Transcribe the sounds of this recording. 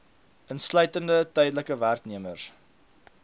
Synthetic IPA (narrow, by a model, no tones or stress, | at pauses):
ənslœɥtəndətœjdələkəværkniəmər